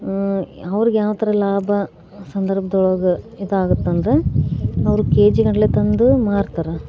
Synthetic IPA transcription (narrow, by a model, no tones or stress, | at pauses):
ɐʋɐɾiɡjaːʋɐt̪ʰɐɾɐlaːbʱɐ | sɐnd̪ɐɾbʱɐd̪ɔɭɐɡɐid̪ɐaːɡut̪ːɐnd̪ɾeɐʋɐɾukeːd͡ʒiɡɐɳɐlet̪ɐnd̪umaːɽt̪aːɾe